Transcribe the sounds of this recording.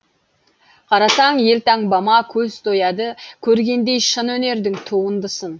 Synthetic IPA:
qʰɑɾɑsɑŋje̞lt̪ɑŋbɑmɑkʲʰɵzt̪ʰojɑd̪əkʲʰɵɾɡʲe̞nd̪e̞jʃənwɵne̞ɾd̪ɪŋt̪ʰuʁənd̪əsən

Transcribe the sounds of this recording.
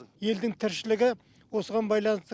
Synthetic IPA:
je̞ld̪ɪŋt̪ʰɪɾʃɪlɪɡʲɪ | wo̞səʁɑnbɑjlˠɑnəst̪

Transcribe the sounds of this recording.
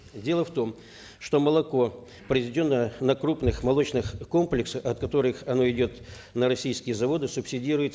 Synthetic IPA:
dʲe̞lˠəft̪o̞m | ʂt̪o̞məlˠɐko̞ | pɾʲɪzʲɪdʲo̞nːənɐkɾupnɨxmɐlˠo̞t͡ɕnɨxko̞mplʲɪksəɐt̪̚kɐt̪o̞ɾɨxɐno̞ɪdʲo̞t̪ | nəɾɐsʲijskʲɪjəzɐvo̞d̪ɨsʊpsʲɪdʲiɾʊjɪt̪

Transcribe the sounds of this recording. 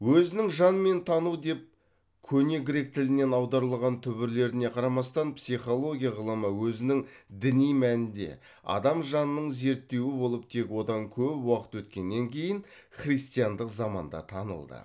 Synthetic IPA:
wɵzɪnɪŋʒɑnme̞nt̪ʰɑnud̪e̞p̚ | kʲʰɵne̞ɡʲɪɾe̞k̚t̪ʰɪlɪne̞nɑwd̪ɑɾəlˠʁɑnt̪ʰʏbɪɾle̞ɾɪne̞qʰɑɾɑmɑst̪ɑnpsijχo̞lˠo̞ɡʲijaʁəlˠəməwɵzɪnɪŋd̪ɪnijmænɪnd̪e̞̰ | ɑ̰d̪ɑmʒɑnəːəɴze̞ɾt̪ːe̞wɪbo̞lˠəp̚t̪ʰe̞kwo̞d̪ɑŋkʲʰɵpwɑqə̥t̪wɵt̪kʲe̞nːe̞ŋkʲʰe̞jɪn | χrijst̪ijɑnd̪əqzɑmɑ̰nd̪ɑ̰t̪ʰɑnə̰lˠd̪ə̰

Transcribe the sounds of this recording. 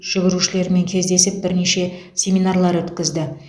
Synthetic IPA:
ʒ̥ɪɡʲɪɾuʃɪle̞ɾme̞ŋkʲʰe̞zd̪e̞sɪp̚bɪɾneʃe̞ | sʲe̞minarlˠɑɾwɵt̪kʲɪzd̪ɪ

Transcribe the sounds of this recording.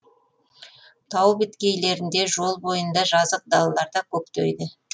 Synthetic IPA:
t̪ʰɑwbɪt̪kʲe̞jle̞ɾɪnd̪e̞ʒo̞lˠbo̞jənd̪ɑʒɑzəq̚d̪ɑlˠɑlˠɑɾd̪ɑkʲʰɵp̚t̪ejd̪ɪ

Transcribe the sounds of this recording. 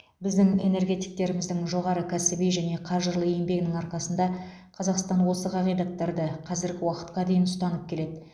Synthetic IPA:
bɪzd̪ɪŋe̞ne̞ɾɡʲe̞t̪i̥jk̚t̪e̞ɾɪmɪzd̪ɪŋʒo̞ʁɑɾəkʲʰæsɪbijʒæne̞qʰɑʒəɾlˠəe̞mbe̞ɡʲɪnɪŋɑɾqɑsənd̪ɑ | qʰɑzɑqst̪ɑnwo̞səqʰɑʁijd̪ɑt̪ːɑɾd̪əqʰɑzɪɾɡʲɪwɑqə̥t̪̚qɑd̪e̞jɪnʊst̪ɑnəp̚kʲʰe̞le̞d̪ɪ

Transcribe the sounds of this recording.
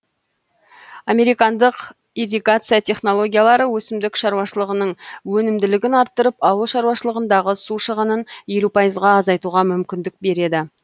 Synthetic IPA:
ɑme̞ɾijkɑnd̪əq | iɾiɡat̪sɨjat̪ʰe̞χno̞lˠo̞ɡʲijalˠɑɾəwɵsɪmd̪ɪkʃɑɾuwɑʃəlˠəʁənəɴwɵnɪmd̪ɪlɪɡʲɪnɑɾt̪ːəɾəpɑwəlˠʃɑɾwɑʃəlˠəʁənd̪ɑʁəsuʃəʁənənje̞lupʰɑjəzʁɑːzɑjt̪uʁɑmʏmkʲɪnd̪ɪk̚be̞ɾe̞d̪ɪ

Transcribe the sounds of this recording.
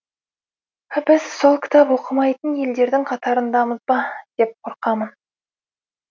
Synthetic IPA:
bɪz̥so̞lˠkʲɪ̥t̪ʰɑpwo̞qəmɑjt̪ənje̞ld̪e̞ɾd̪ɪŋqʰɑt̪ɑɾənd̪ɑməzbɑd̪̥e̞p̚qʰo̞ɾqɑmən

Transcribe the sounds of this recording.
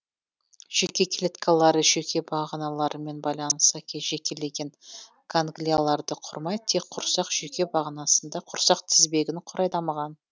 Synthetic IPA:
ʒ̥ekʲe̞kʲlʲet̪kʰalˠɑɾəʒe̞kʲe̞bɑʁnɑlˠɑɾəme̞nbɑjlˠɑnəst̪ɑkʲʰeʒe̞kʲe̞le̞ɡʲe̞n | kʰaŋɡlʲijalˠɑɾd̪əqʰʊɾmɑj̪t̪ʰːe̞k̚qʰːʊɾsɑqʒ̥e̞kʲe̞bɑʁənɑsənd̪ɑqʰʊɾsɑqt̪ʰɪzbe̞ɡʲɪnqʰʊɾɑjd̪ɑmɑʁɑn

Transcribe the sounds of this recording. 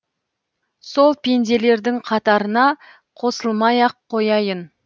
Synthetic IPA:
so̞lˠpʰe̞nd̪e̞le̞ɾd̪ɪŋqʰɑt̪ɑɾənɑ | qʰo̞səlˠmɑjɑqʰːo̞jɑjən

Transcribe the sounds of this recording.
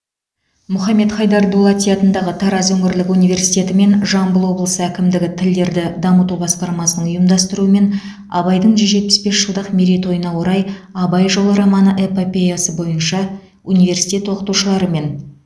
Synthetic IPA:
mʊχɑmːe̞t̪χɑjd̪ɑɾd̪ulˠɑt̪ijɑt̪ənd̪ɑʁət̪ʰɑɾɑzɵŋɪɾlɪkunive̞ɾsit̪ʲe̞t̪ɪme̞nʒɑmbəlˠwo̞blˠəsəækʲɪmd̪ɪɡʲɪt̪ʰɪld̪e̞ɾd̪ɪd̪ɑmət̪ubɑsq̪ɑɾmɑsənəɴʊjəmd̪ɑst̪əɾuəme̞n | ɑ̰bɑjd̪əɴʒʏzʒe̞t̪̚pɪ̥sbe̞sʒ̥əlˠd̪əqmeɾit̪o̞jənɑwo̞ɾɑjɑbɑjʒo̞lˠəɾɑmɑnəʔe̞po̞pʲe̞jasəbo̞jənʃɑ | unive̞ɾsi̥jt̪ʲe̞t̪wo̞qət̪uʃəlˠɑɾəme̞n

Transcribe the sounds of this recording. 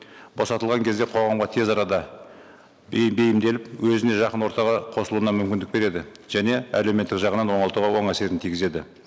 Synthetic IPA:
bo̞sɑt̪əlˠʁɑŋkʲʰe̞zd̪e̞qʰo̞ʁɑmʁɑt̪ʰe̞zɑɾɑd̪ɑ | be̞jɪmd̪e̞lɪpwɵzɪne̞ʒɑqənwo̞ɾt̪ɑʁɑqʰo̞səlˠuənɑmʏmkʲɪnd̪ɪk̚be̞ɾe̞d̪ɪʒ̥æne̞ælewmet̪ːɪkʒɑʁənɑnwo̞ɴɑlˠt̪uʁɑwo̞ɴæse̞ɾɪnt̪ʰijɡʲɪze̞d̪ɪ̰

